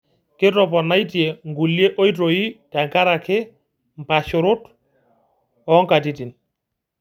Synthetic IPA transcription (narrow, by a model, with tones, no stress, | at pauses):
kɪ˦tɔ˨p̬ɔna˦jti˨e˨ŋɡu˨lje˦ʔo˦jtɾoi˦tɛ˨ŋka˦ɾa˨kʰɪ˦ | mpa˨ʃo˨ɾʊ˦t | ɔ˦ŋka˨ti˦ti˨n